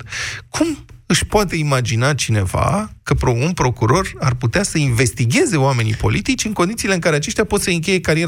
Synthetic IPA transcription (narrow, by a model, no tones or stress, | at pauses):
kʰumɨʃʲpoat̪e̞imad͡ʒinat͡ʃine̞̰va̰kəpɾounpɾo̞kuɾo̞rarput̪easəinve̞st̪iɡʲe̞ze̞oame̞nḭpo̞̰lit̪it͡ʃʲɨŋko̞nd̪it̪ile̞ɨŋkaɾe̞at͡ʃeʃt̪japo̞t̪səɨŋkʲe̞je̞kaɾie